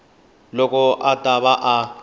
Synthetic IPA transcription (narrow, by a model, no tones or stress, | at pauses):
lɔkʼɔʔatʼaβaʔa